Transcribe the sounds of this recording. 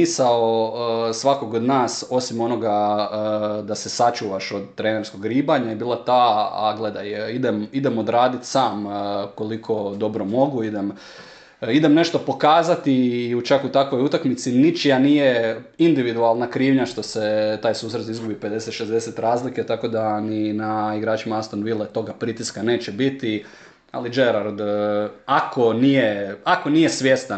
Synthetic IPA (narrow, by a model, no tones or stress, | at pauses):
isaosʋako̞ɡod̪naːso̞simo̞no̞ɡa | d̪ase̞sat͡ʃuːʋaʃo̞d̪t̪ːɾeneɾsko̞ɡɾiːbaɲaebiːlˠat̪aːa̰ɡle̞d̪ajid̪emid̪emo̞d̪ɾaːd̪it̪saːmko̞likʰo̞d̪o̞bɾo̞mo̞ɡuid̪em | id̪e̞mne̞ʃt̪o̞po̞kaːzat̪iut͡ʃakut̪akʋo̞jut̪akmit̪sinit͡ʃijaniːjeind̪iʋid̪ualˠnakɾiːʋɲaʃt̪o̞set̪aːjsuːsɾet̪izɡubipe̞d̪e̞set̪ʃezd̪eset̪ɾaːzliket̪ako̞d̪aninaiɡɾaːt͡ʃimaast̪onʋilˠet̪o̞ɡapɾit̪iskane̞ːt͡ʃebit̪i | a̰lid͡ʒeɾaɾd̪ako̞nijeako̞nije̞sʋje̞st̪a